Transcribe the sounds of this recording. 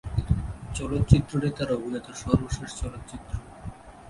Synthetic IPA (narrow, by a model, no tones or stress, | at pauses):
t͡ɕɔlot̪ːt͡ɕit̪ːɾonet̪aɾobʱinɔt̪oʃɔɾboʃeʃt͡ɕɔlot̪ːt͡ɕit̪ːɾo